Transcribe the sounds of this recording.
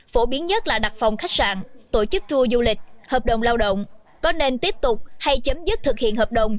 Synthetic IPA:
fo˧˩ɓi˨˦ənɲə˦˥t̚laː˨˩ɗa˨˩t̚fa˨˩wŋ͡mxa˦˥jk̚sa̰ː˧˨nt̪o˧˩t͡ɕɨ˦˥k̚t͡ɕu˧əzu˧lï˨˩k̟̚həː˨˩p̚ɗə˧˩wŋ͡mlaː˧wɗə̰˧˨wŋ͡m | kɔ˨˦ne˧nt̪i˦˥əp̚t̪ʊ˨˩k͡p̚ha˧jt͡ɕə˨˦mzɨ˦˥t̚t̪ʰɨ˨˩k̚hḭ˧˨ənɦəː˨˩p̚ɗə˧˨wŋ͡m

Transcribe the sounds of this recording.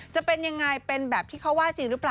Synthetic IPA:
t͡ɕa˨˩ʔpe˧nja˧ŋːa˧jpe˧nbɛː˨˩p̚t̪ʰiː˥˩kʰa˦˥waː˥˩t͡ɕiː˧ŋɾɯ˦˥plaː˨˩

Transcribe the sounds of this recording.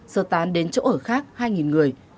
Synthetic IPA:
səː˧˩t̪aː˨˦nɗe˨˦nt͡ɕo̰˧˥ʔəː˧˩xaː˦˥k̚haː˧jŋi˨˩nŋɨ˨˩əj

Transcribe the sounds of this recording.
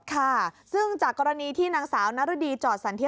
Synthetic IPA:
kʰa˥˩sɯ˥˩ŋt͡ɕaː˨˩kːɔː˧ɾa˧niː˧t̪ʰiː˥˩naː˩˦ŋsaː˩˦wna˦˥ɾa˦˥diː˧t͡ɕɔː˨˩t̪̚sa˩˦nt̪i˦˥

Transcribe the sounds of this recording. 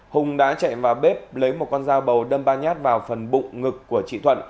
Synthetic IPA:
hʊ˨˩ŋ͡mɗa̰ː˧˥t͡ɕa̰˧˨jvaː˨˩wɓe˦˥p̚lə˨˦jmo˨˩t̚kɔ˧nzaː˧wɓə˨˩wɗə˧mɓaː˧nɲaː˦˥t̚vaː˨˩wfə˨˩nɓʊ̰˧˨ŋ͡mŋɨ˨˩kːu˧˩ət͡ɕḭ˧˨t̪ʰwə̰˧˨n

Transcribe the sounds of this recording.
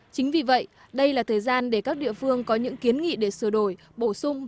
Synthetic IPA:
t͡ɕï˨˦ŋ̟vi˨˩və̰˧˨jʔ | ɗə˧jlaː˨˩t̪ʰəː˨˩jzaː˧nɗe˧˩kaː˦˥k̚ɗḭ˧˨əfɨ˧əŋkɔ˨˦ɲɨ̰˧˥ŋki˨˦ənŋḭ˧˨ɗe˧˩sɨ˧˩əɗo˧˩j | ɓo˧˩sʊ˧ŋ͡m

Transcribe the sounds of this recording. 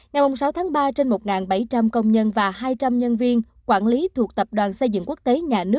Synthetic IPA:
ŋa˨˩jmu˨˩jsa˨˦wt̪ʰaː˨˦ŋɓaː˧t͡ɕe˧nmo˨˩t̚ŋaː˨˩nɓa˧˩jt͡ɕa˧mkə˧wŋ͡mɲə˧nvaː˨˩ɦaː˧jt͡ɕa˧mɲə˧nvi˧ən | kwaː˧˩nli˨˦t̪ʰu˨˩ək̚t̪ə˨˩p̚ɗwaː˨˩nsə˧jzɨ̰˧˨ŋku˦˥ək̚t̪e˨˦ɲaː˨˩nɨ˦˥k̚

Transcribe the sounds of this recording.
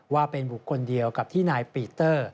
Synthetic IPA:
waː˥˩pe˧nbu˨˩kʰːo˧ndi˧əwka˨˩p̚t̪ʰiː˥˩naː˧jpiː˧t̪ɤː˥˩

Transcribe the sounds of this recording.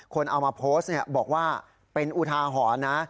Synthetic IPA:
kʰo˧nʔa˧wmaː˧pʰoː˦˥st̪̚ni˥˩ɐbɔː˨˩k̚waː˥˩ | pe˧nʔu˨˩t̪ʰaː˧ɦɔː˩˦na˦˥

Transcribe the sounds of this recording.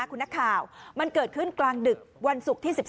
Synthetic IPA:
kʰu˧na˦˥kʰːaː˨˩wma˧nkɤː˨˩t̪̚kʰɯ˥˩nklaː˧ŋdɯ˨˩k̚wa˧nsu˨˩k̚t̪ʰiː˥˩si˨˩p̚

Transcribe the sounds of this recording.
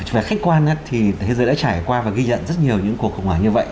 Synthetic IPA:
vaː˨˩xa˦˥k̟̚kwaː˧nʔaː˨˦t̪ʰi˨˩˨jzəː˨˩ɗa̰ː˧˥t͡ɕaː˧˩jkwaː˧vaː˨˩ɣi˧zə̰˧˨nzə˦˥t̚ɲi˨˩əwɲɨ̰˧˥ŋku˨˩ək̚xə̰˧˨ŋ͡mŋhaː˧˩ɲɨ˧və̰˧˨ʔ

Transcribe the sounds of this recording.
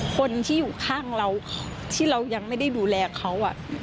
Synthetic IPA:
kʰo˧nt̪ʰiː˥˩juː˨˩kʰaː˥˩ŋɾa˧wʰ | t̪ʰiː˥˩ɾa˧wja˧ŋma˥˩jda˥˩jduː˧lɛː˧kʰa˦˥wʔa˨˩ʔ

